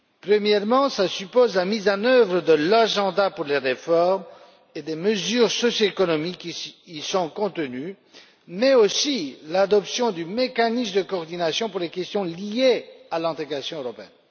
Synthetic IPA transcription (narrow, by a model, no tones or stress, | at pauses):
pχəmjɛʁmɑ̃slasypozlamizɑ̃nœvʁəd̪əlaʒɑ̃d̪apuʁleʁefɔʁm | ed̪eməzyːʁsɔsjoekɔnɔmikːisɔ̃kɔ̃t̪əny | mɛosilad̪ɔpsjɔ̃d̪ymekanismd̪əkɔːʁd̪inasjɔ̃puʁlekʲɛst̪jɔ̃lijealɛ̃t̪eɡʁasjɔ̃øʁɔpeɛ̰n